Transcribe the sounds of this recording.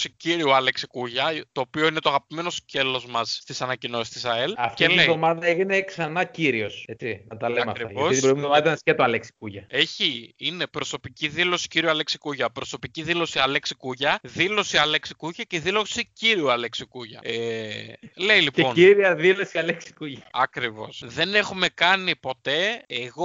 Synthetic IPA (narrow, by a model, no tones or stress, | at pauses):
siciɾiuɐle̞ksi̥kuʝɐt̪o̞ːpio̞inet̪oɐɣɐpime̞no̞sce̞lo̞zmɐsst̪isɐnɐcino̞sist̪isɐelɐft̪eleðomɐðɐeʝine̞ksɐnɐciɾio̞set͡sinɐt̪ɐleɐmɐfktɾiɐo̞siibɾimðomɐðɐɐnɐscet̪oɐleksi̥kuʝɐe̞çiine̞pɾo̞so̞piciðilo̞si̥ciɾiuɐleksi̥kuʝɐpɾo̞so̞piciðilo̞siɐle̞ksikuʝɐðilo̞siɐleksi̥kuʝɐceðilo̞siciɾiuɐleksikuʝɐ̰e | le̞ilipeo̞niɾiɐðilo̞siɐleksi̥kuʝɐɐkɾivo̞̰sðe̞ne̞xume̞kɐnipo̞t̪e̞eɣo̞